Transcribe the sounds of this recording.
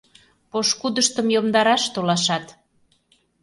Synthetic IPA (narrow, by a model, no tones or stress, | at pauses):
poʃkud̪əʃt̪əmjomd̪ɑɾɑʃt̪olɑʃɑt̪